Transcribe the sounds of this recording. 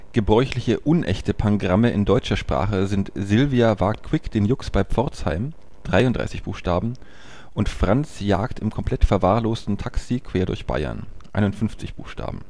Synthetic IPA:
ɡ̥əbʁɔʏçlɪçəʔʊnʔɛ̰çtəpʰaŋɡʁaməʔɪndɔʏt͡ʃɐʃpʁ̥a̰ːχəzɪntzɪlviavaːk̚tkʰw̥ɪkd̥eːnjʊksb̥aɪp͡fɔɐt͡sha̰ɪm | d̥ʁaɪʊntd̥ʁa̰ɪsɪçb̥ṵːxʃtaːbm̩ | ʔʊntfʁ̥ant͡sja̰ːktɪmkʰɔmpʰl̥ɛtfɛɐvaːɐloːstn̩tʰaksikʰv̥eːɐdʊ̰ɐçb̥a̰ɪɐ̰nʔa̰ɪnʊntfʏnft͡sɪçb̥ṵːxʃta̰ːbm̩

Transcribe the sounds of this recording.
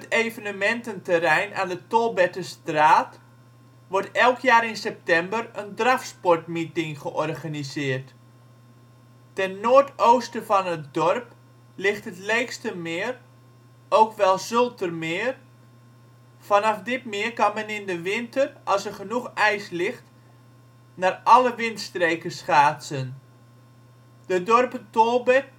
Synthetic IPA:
ətejvənəmɛntəntərɛjna̰ːndətɔlˠbɛtəstraːt | ʋɔɹtɛlˠkʰjaːɾɪnsɛp̚tɛmbərəndrafspɔɹtmitɪŋχəʔɔrχanizɪːərt | tɛnːoːərtowstəvɑnət̚dɔrp | lɪχtətleːkstəmɪːr | owkʋɛlˠzølˠtərmɪːər | fɑnɑfdɪtmɪərkɑnmɛnɪndəʋɪntərʔɑlˠsərχənuχɛjslɪχt | naːrɑləʋɪntstreːkəsχaːsən | d̥ədɔrpətolˠbə

